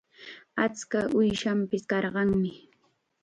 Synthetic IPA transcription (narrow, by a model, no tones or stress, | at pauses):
at͡skaʔʊjʃampɪskɑɾɢɑŋmɪ